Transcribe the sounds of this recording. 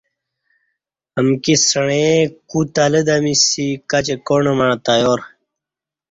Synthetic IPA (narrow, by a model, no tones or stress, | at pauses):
əmkisəɳẽkut̪aləd̪amisikɐt͡ɕekoɳəmaɳ̃t̪ajoɾ